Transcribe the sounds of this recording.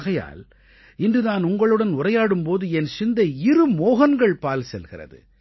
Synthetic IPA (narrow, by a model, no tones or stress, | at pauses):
ɣɐja̰ːl | ɪndrɯnaːnʊŋɡɐɭɯɽɐnʊrɐjaːɽɯmpoːðɯɛnsɪnd̪ɐɪɾɯmoːɣɐnɡɐɭpaːlsɛlɣɪrɐ̰ðɯ̰